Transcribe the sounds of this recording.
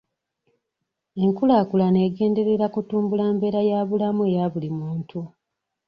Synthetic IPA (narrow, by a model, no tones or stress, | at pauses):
e̞ŋkulaːkulane̞ːɡe̞ːnde̞ɾe̞ɾakutuːmbulaːmbe̞ɾajaːβulamuejaβulimuːntʰu